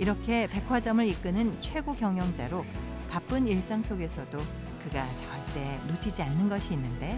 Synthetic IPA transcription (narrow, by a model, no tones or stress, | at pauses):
iɾʌkʰe̞pe̞kʰwad͡ʑʌmɯɾik͈ɯnɯnt͡ɕʰwe̞ɡokjʌŋjʌŋd͡ʑa̰ɾo | pap͈ɯniɭs͈aŋs͈oɡe̞sʰʌdo | kɯɡat͡ɕʌwaɭt͈e̞not͡ɕʰid͡ʑianːɯnɡʌɕʰiːnːɯnde̞